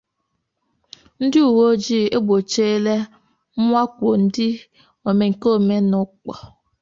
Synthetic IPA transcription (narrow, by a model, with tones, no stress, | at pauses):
n̩˦dɪ˦u˨wo˦d͡ʒi˦˨e˦ɡ͡bo˨t͡ʃe˦e˦le˦ | m̩˦ŋʷa˦kʷo˨n̩˦dɪ˦ | o˨me˨ŋ̩˨ko˦˨me˦nʊ˨k͡pɔ˨